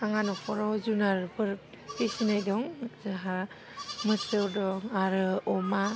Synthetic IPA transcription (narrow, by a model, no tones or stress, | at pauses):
aŋanɔkʰɔɾɔwzunaɾpɯɾ | pʰisinajdɔŋzaɦa | mɯsɯwdɔŋaɾɯɔma